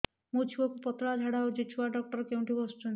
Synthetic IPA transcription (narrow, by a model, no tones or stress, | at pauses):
mut͡ʃʰibɔkupɔt̪ɾad͡ʒʱaɽaod͡ʒet͡ʃʰuaɖɔk̚ʈɔɾkeuɳʈibɔst͡ʃɔn